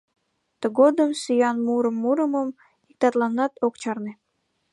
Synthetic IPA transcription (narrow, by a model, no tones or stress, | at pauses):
t̪əɡod̪əmsyjɑnmuɾəmːuɾəməm | ik̚t̪ɑt̪lɑnːɑt̪okt͡ɕɑrne